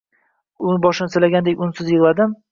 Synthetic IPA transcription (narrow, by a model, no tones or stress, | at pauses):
ʊnbɒʃɪnɪsɪlaɡʲand̪ekʲʊnsɪzjɪʁlˠad̪ɪm